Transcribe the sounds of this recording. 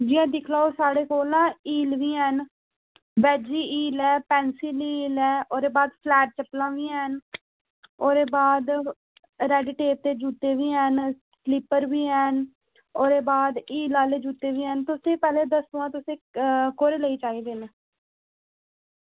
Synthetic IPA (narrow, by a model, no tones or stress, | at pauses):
d͡ʒiːãːd̪ɪkʰlaːosaːɽeːkoːlãːiːlʋiːɦɛn | bɛːd͡ʒiːʔiːlɛːpɛ̃ːnsiliiːlɛːʔoːɾeːbaːd̪pʰlɛːʈ̚t͡ʃəplãːʋiːɛːn | oːɾeːbaːd̪ | ɾɛːɖɪʈeːʈ̚t̪eːd͡ʒuːt̪eːʋiːɦɛn | slɪpːəɾʋiːɛːn | oːɾeːbaːd̪iːlaːleːd͡ʒuːt̪eːʋiːɦɛːnt̪ʊsẽːpɛːleːd̪əsãːt̪ʊsẽːkoːɾeːləiːt͡ʃaːiːd̪eːneː